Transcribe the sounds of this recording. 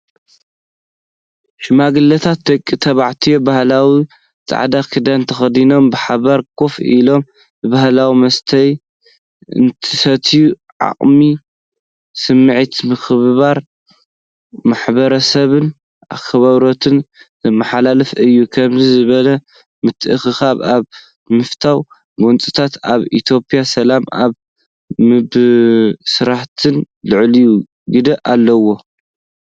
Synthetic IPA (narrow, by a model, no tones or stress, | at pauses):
ʃɪmaɡɨlːɐt̪ʰat̪̚d̪ɐkʼːit̪ʰɐβaʕt̪ʰijobahlawi | t͡sʼa̰ʕd̪akʰɨd̪ɐnt̪ʰɐxɐd̪ino̞mbɨħaβaɾkʰo̞filo̞m | bɨβahlawimɐst̪ʰɐj | ɨ̰nt̪ʰɨsɐt̪ʰiju | ʕa̰qʼmi | sɨmːɨʕit̪mɨxɨββaɾ | maħbɐɾɐsɐβɨn | ʔa̰kʰːɐβaβɾot̪ʰɨn | mːaħalalɐfɨjːukʰɐmzizɨβɐlɐ | mɨt̪ʰɨʔɨxɨxaβaβ | mɨft̪ʰaw | ɡont͡sʼɨt̪ʰat̪aβit̪ʰjo̞pʼijasɐlamaβ | mɨb | sɨɾaħt̪ʰɨn | lɨʕliju | ɡɨd̪ɐʔalːɐwo̞